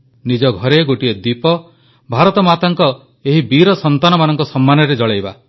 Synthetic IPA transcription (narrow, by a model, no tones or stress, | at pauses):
nid͡ʒɔɡʱɔɾeɡoʈied̪ipɔ | bʱaɾɔt̪ɔmat̪aŋkɔ | eɦibiɾɔsɔnt̪anɔmanɔŋkɔsɔmːanɔɾed͡ʒɔɭejba